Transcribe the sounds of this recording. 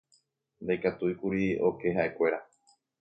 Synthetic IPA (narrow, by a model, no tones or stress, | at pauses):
nd̪ejkat̪uikuɾio̞ke̞ɦaʔe̞kʷe̞ɾa